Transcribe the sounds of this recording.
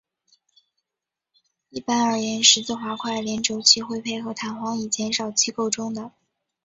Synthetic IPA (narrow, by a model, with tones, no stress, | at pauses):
i˥˩pa˥nə˞˨˩jɛ˧˥nʂɻ̩˧˥t͡sɹ̩˥˩xwa˧˥kʰwa˥˩ɪljɛ˧˥nʈ͡ʂo˧˥ʊt͡ɕʰi˥˧xwe˥˧ɪpʰe˥˩ɪxɤ˧˥t̪ʰa˨˧˥nxwɑ˧˥ŋi˨˩t͡ɕjɛ˧˥nʂɑ˨˩ʊt͡ɕʰi˥˧ko˥˩ʊʈ͡ʂʊ˥ŋd̪ə˨